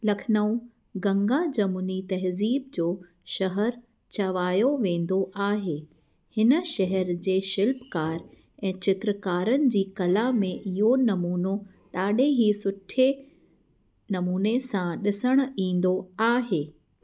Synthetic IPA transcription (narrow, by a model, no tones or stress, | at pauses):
lɐkʰɪnəũ | ɡɐ̃ŋɡad͡ʑɐmunit̪ɐɦziːb̚d͡ʑoː | ʃɐɦəɾ | t͡ɕɐʋaːjoʋẽːn̆d̪oʔaːɦeː | hɪnə̆ʃɐɦəɾd͡ʑeːʃɪlpkaːɾ | ɛ̃ːt͡ɕɪt̪ɾəkaːɾənɪ̆d͡ʑiːkɐlamẽʔɪɦonɐmuːno | ɗaːɗẽɦisʊʈʰe | nɐmuːnesãɗɪsəɽ̃ĩːn̆d̪oaːɦeː